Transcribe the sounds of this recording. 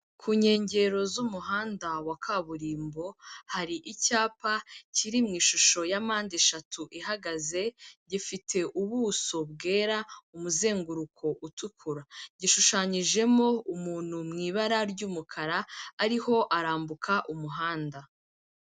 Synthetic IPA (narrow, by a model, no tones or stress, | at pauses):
kʰuːɲe̞ːɲɟe̞ɾo̞zumuɦaːndawakʰaβuɾiːmbo̞haɾiʔicaːpaciɾimŋiːʃuʃo̞jamaːndeʃatʰuʔiɦaɡaze̞ɟifitʰe̞ʔuβuːso̞βɡe̞ːɾaumuze̞ːŋɡuɾukʰo̞ʔutukʰuɾaɟiʃuʃaɲiʒe̞mo̞umuːn̥humŋiːβaɾaɾɟuːmukʰaɾaːɾiho̞ʔaɾaːmbukʰaʔumuɦaːnda